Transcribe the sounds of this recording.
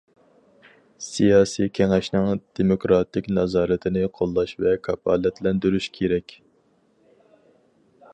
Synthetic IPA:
sijɑːsijkʲʰɛŋɛʃnɪŋd̪̥emokɾɑt̪ʰɪkʲnɑzɑːɾɨt̪ʰɪnɪqʰolˠːɑʃvɛkʰɑpʰɑːlɛt̪lɛnd̪yɾyʃkʲʰeɾɛkʲ

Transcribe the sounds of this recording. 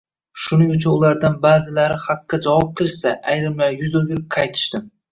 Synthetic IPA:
ʃʊnɪŋʊt͡ʃʰʊnʊlaɾd̪anbaːzɪlaɾɪhaqːɑd͡ʒawɑp̚qʰɨɾsaʔajɾɪmlajʊzolɡʲɪɾɪp̚kʰɑjt̪ʰɪ̥ʃt̪ɪm

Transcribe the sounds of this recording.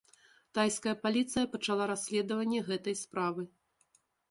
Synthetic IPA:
t̪ajskɐjɐpalʲit̪sɨjɐpɐt͡ʂalˠaɾasʲlʲɛd̪ɐvɐnʲːɛɣɛt̪ɐjspɾavɨ

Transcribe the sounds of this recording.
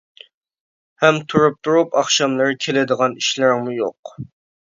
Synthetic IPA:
hɛmt̪ʰuɾup̚t̪ʰuɾupɑχʃɑmlˠɨɾkʲʰelɪd̪əʁɑniʃlɪɾŋmujoq

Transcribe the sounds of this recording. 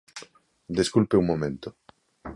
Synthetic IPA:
d̪eskulpeuŋmːomẽnt̪ʊ

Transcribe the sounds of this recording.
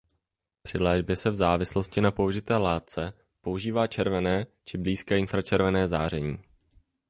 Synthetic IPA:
pr̥ɪlɛːʒbjɛsɛvzaːvɪslo̞scɪnapo̞uʒɪt̪ɛːlaːt̪̚t͡sɛ | po̞uʒiːvaːt͡ʃɛɾvɛnɛːt͡ʃɪbliːskɛːɪnfɾat͡ʃɛɾvɛnɛːzaːr̝ɛɲiː

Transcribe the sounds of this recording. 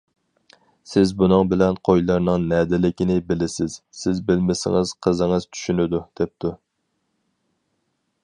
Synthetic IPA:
sɪzbunɨŋbɪlɛnqʰojlˠɑɾnɨŋnɛːd̪ɪlɪkʲinɪbɪlɪsɪz̥sɪzbɪlmɪsɪ̰ŋɨz̥qʰəzəŋəzt͡ʃʰy̥ʃynɪd̪ud̪̥ɛp̚t̪ʰu

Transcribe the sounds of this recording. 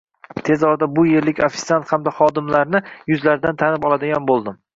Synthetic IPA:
t̪ʰe̞zɒɾd̪abʊje̞ɾlɪkʲafi̥t̪sant̪hamd̪aχɒd̪ɪmlaɾnɪjʊzlaɾd̪ant̪ʰanɪpɒlˠad̪ɪɡʲanbolˠd̪ɪm

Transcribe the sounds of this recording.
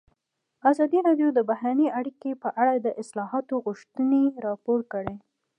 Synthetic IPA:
azɑd̪iɾɑɖjod̪əbaɦɾanəʔaɽikepəʔaɽad̪əʔɪslɑɦɑt̪oɣʊʃt̪əneɾɑpoɾkəɽe

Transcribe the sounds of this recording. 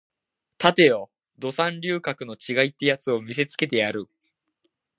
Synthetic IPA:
t̪at̪e̞jo̞ | d̪o̞sãnɾʲɨːkakɯ̟no̞t͡ɕiɡait̪ːe̞jat͡sɨo̞mʲise̞t͡sɨ̥ke̞t̪e̞jaɾɯ̟

